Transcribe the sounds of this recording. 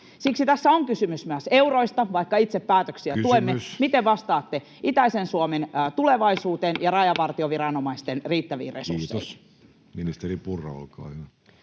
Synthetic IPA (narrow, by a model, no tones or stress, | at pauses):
siksit̪æsːæoŋkysymysmyæseuroist̪ɑʋɑikːɑit̪seppæːt̪øksiæuemːemit̪eʋʋɑst̪ɑːt̪ːe | it̪æisensuoment̪uleʋɑisuːt̪enjɑrɑjɑʋɑrt̪ioʋiɾɑnomɑist̪enriːt̪ːæʋḭːrḛsṵrsːḛi | minist̪eripurːɑ̰o̰lkɑ̰ːjɑ